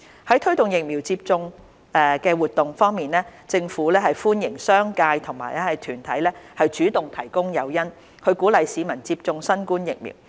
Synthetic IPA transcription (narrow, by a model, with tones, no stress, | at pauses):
hɐ˨˥jt̪ʰɥt̪ʊ˨ŋjɪ˨k̚miː˨˩wt͡siː˧p̚t͡sʊ˧ŋ | ɛː˨kɛː˧wuː˨t̪ʊ˨ŋfɔː˥ŋmiː˨nlɛː˥t͡sɪ˧ŋfuː˨˥lɛː˥ɦɐ˨jfuː˥njɪ˨˩ŋsœː˥ŋkaː˧jt̪ʰʊ˨˩ŋmaː˨˩jlɛ˥hɐ˨jt̪ʰyː˨˩nt̪ʰɐ˨˥jlɛː˥hɐ˨jt͡ʃyː˨˥t̪ʊ˨ŋt̪ʰɐ˨˩jkʊ˥ŋjɐ˨˧wjɐ˥n | kʰɵ˨˧ɥkuː˨˥lɐ˨jsiː˨˧mɐ˨˩nt͡siː˧p̚t͡sʊ˧ŋsɐ˥nkuː˥njɪ˨k̚mḭː˨˩w